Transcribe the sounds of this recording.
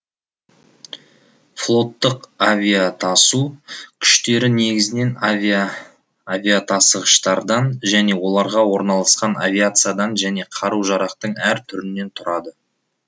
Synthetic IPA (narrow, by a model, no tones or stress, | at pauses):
flˠo̞t̪ːəqavʲijat̪ʰɑsukʲʰʏ̥ʃt̪e̞ɾɪne̞ɡʲɪzɪne̞nv | avʲiat̪ʰɑsəʁəʃt̪ɑɾd̪ɑnʒæne̞wo̞lˠɑɾʁɑwo̞ɾnɑlˠɑsqɑnavʲiat̪sɨjad̪ɑnʒæne̞qʰɑɾuwʒɑɾɑqt̪əɴæɾt̪ʰʏɾɪnːe̞nt̪ʰʊɾɑd̪ə